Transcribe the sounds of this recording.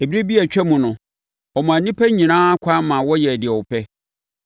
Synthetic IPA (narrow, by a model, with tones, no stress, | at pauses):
e˨bi˦ɾe˦bi˦æ˨t͡ɕᶣɛ˦mũ˨nʊ̃˨ | ɔ˨mʊ̃˨æ̃˨nĩ˦pʰæ˦ɲĩ˨nãː˦a˦kʷʰã˦mã˨wɔ˦jɛ˨dɪ˨ɛ˨wɔ˨pʰɛ˦